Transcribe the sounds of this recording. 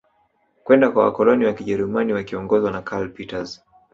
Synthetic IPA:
kwɛndakwawa̰kɔlɔniwakiʄɛɾumaniwakiɔŋɡɔzwanakʰalpitaz

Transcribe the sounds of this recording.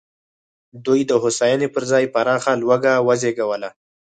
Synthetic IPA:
d̪ujd̪əɦʊsɑjɑnepəɾzɑjpaɾɑxalwaɡawazeɡawəla

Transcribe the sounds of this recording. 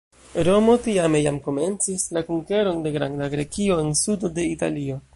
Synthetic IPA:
ɾo̞mo̞tiame̞jamko̞me̞nt͡sislakuŋke̞ɾo̞nde̞ɡɾa̰ndaɡɾe̞kio̞ensudo̞de̞ita̰lio̞

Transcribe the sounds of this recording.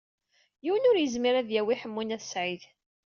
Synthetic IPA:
jiwənʊɾjəzmiɾæðjæwiħəmːunæθə̥sʕiθ

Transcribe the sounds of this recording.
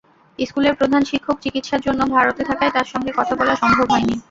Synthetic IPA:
eskuleɾpɾod̪ʱanʃikʰːok̚t͡ɕikit̪ʃaɾd͡ʑonːobʱaɾot̪et̪ʰakaet̪aɾʃɔŋɡekɔt̪ʰabɔlaʃɔmbʱobɦɔeni

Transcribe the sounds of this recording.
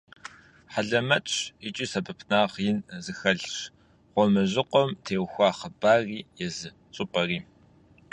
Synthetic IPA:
ħaɮɐmɐt͡ʃʼit͡ʃʼiːsɐbɨpʰnaːʁjɪnzɨxɐɮʂ | ʁʷɔmɨʑɪqʷɔmtʰeːwxʷɑːχəbaːriːjɛzɨ | t͡sʼɨpʼɐriː

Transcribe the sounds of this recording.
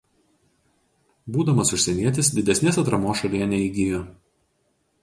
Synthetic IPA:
buːd̪ɐmɐsʊʃʲsʲɛnʲiɛt̪ʲɪsd̪ʲɪd̪ʲɛsʲnʲeːsɐt̪ɾɐmoːsʃɐlʲiːnʲɛiɡʲɪjoː

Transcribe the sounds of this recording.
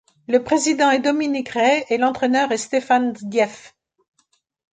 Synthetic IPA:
ləpχezid̪ɑ̃ɛd̪ɔminikʁɛːlɑ̃t̪χɛnœʁɛst̪efand̪jɛf

